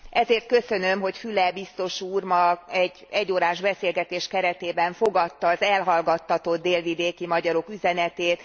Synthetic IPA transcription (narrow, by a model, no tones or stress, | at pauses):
ʔɛzeːrt̪̚kø̞sønø̞mɦo̞cfylɛbist̪o̞ʃuːrmɒɛɟ | ɛɟːoːɾaːʒbɛseːlɡɛt̪eːʃkɛɾɛt̪eːbɛɱfo̞ɡɒt̪ːɒːzɛlɦɒlɡɒt̪ːɒt̪o̞d̪̚ːeːlvid̪eːkimɒɟɒɾo̞kyzɛnɛt̪eːt̪